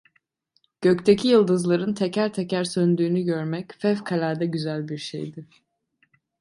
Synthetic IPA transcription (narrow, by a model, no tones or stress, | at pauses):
ɟ̥ø̞ct̪ʰecʰijɯlˠd̪ɯzlˠaɾɯnt̪ʰecʰæɾt̪ʰecʰæɾsønd̪yːnyɟøɾmɛcfɛfkʰalʲæɾd̪ɛɟyzælʲbiɾʃḛjd̪ɪ